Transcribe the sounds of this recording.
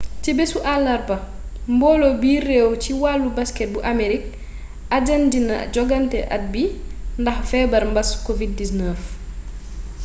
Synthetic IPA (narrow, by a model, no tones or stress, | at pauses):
t͡ʃɛbesuʔalːɐrbɐ | mbɔːlɔbiːɾɛwt͡ʃiwalːubaskɛt̚buʔameɾik̚ | ad͡ʒandina̰d͡ʒɔɡantɛʔa̰t̚bindɐxfɛbɐɾmbɐskovid̚disnɛf